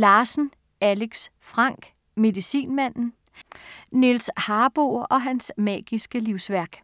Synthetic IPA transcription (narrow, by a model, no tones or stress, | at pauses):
lɑ̈ːsn̩ | æleɡ̥s | fʁɑ̈ŋ̰ɡ̥ | me̝ðˠisḭːnmæn̰n̩ | nelshɑ̈ːb̥o̝̰ɒ̽ɦænsmɛ̰ːɡ̥isɡ̥əliʊsʋæɐɡ̥